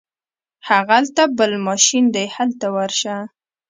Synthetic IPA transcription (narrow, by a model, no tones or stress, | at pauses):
haɣalt̪abəlmɑʃind̪ajhalt̪awaɾʃa